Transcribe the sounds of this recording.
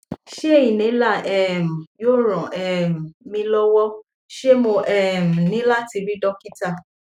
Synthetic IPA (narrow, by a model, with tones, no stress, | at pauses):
ʃe˦e˦˨i˨nĩ˨˦la˦˨ɛ˦˨m̩˨jo˦˨ɾ̃ɔ̃˨ʔɛ˨m̩˨mĩ˧lɔ˦wɔ˦ | ʃe˦mo˧ʔɛ˦˨m̩˨nĩ˨˦la˦ti˧ɾi˦dɔ˦ki˦ta˦˨